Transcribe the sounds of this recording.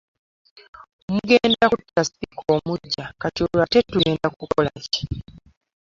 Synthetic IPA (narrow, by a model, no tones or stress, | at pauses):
omuɡeːndakutːasi̥pikʰo̞ːmuɟːakatiolate̞tuɡeːndakukolaci̥